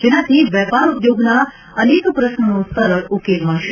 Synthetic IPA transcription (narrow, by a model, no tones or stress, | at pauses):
d͡ʒenat̪ʰiʋjɛpaɾud̪joɡna | ənekpɾəʃnənõst̪əɾəɾukelmãɳʃ